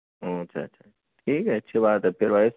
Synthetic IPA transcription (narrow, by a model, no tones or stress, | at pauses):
oɐtːʃʰa̰ːʃʰa | ʈʰiːkɦɛɐtːʃʰibaːt̪ɦɛpʰɪɾʋas